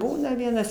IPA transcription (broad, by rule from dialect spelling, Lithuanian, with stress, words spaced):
ˈbuːnɐ ˈʋʲiɛnɐs